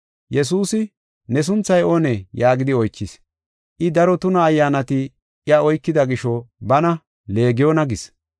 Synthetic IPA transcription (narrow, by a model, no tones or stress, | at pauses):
jɛs̬uːsɪ | nɛs̬ʊnt͡sːɐjoːnɛjaːɡɪd̪ɪɔjt͡ʃːɪs | ʔɪd̪ɐɾɔt̪ʊnɐːjːaːnɐt̪ɪ | ʔɪɐɔjkːɪd̪ɐɡɪʃɔbɐnɐ | le̞ːɡɪjoːnɐɡɪs